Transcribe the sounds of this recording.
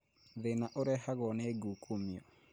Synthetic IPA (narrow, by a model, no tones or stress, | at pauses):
ðenaʔoɾɛɦaɣɔneeɡukʰomiɔ̰